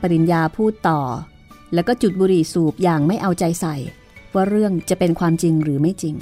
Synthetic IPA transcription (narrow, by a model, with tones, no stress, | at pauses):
pa˧ɾi˨˧njaː˧pʰuː˥˩t̪ːɔː˨˩ | lɛː˦˥wkɔː˥˩t͡ɕu˨˩t̪̚buː˧ɾi˨˩suː˨˩p̚jaː˨˩ŋma˥˩jʔa˧wt͡ɕa˧jsa˨˩j | waː˥˩ɾɯ˥˩əŋt͡ɕa˨˩pe˧nkʰwaː˧mt͡ɕi˧ŋɾɯː˩˦ma˥˩jt͡ɕi˧ŋ